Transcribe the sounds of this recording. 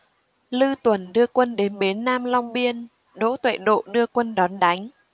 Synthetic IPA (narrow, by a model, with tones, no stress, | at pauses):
lɨ˧t̪wə˨˩nɗɨ˧əkwə˧nɗe˨˦nɓe˨˦nːaː˧mla˧wŋ͡mɓi˧ən | ɗo̰˧˥t̪wḛ˧˨ɗo̰˧˨ɗɨ˧əkwə˧nɗɔ˨˦nɗa˨˦jŋ̟